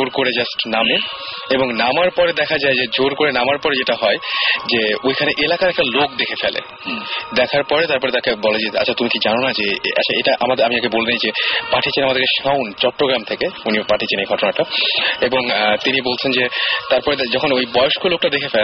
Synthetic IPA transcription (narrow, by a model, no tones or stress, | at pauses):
oɾkoɾed͡ʑasʈname | eboŋnamaɾpɔɾed̪ɛkʰad͡ʑaed͡ʑed͡ʑoɾkoɾenamaɾpɔɾed͡ʑeʈaɦɔed͡ʑeojkʰaneʔelakaɾɛk̚ʈalokd̪ekʰefɛlḛ | d̪ɛkʰaɾpɔɾet̪aɾpɔɾet̪akebɔled͡ʑea̰t͡ɕʰat̪umikid͡ʑanonad͡ʑea̰t͡ɕʰaeʈaʔamad̪amiakeboleijd͡ʑepaʈʰit͡ɕʰenamad̪eɾkeʃawnt͡ɕɔʈːɾoɡɾamt̪ʰekeunipaʈʰit͡ɕʰenejɡʱɔʈonaʈaeboŋt̪inibolt͡ɕʰend͡ʑet̪aɾpɔɾed͡ʑɔkʰonojbɔjoʃkolok̚ʈad̪ekʰefɛl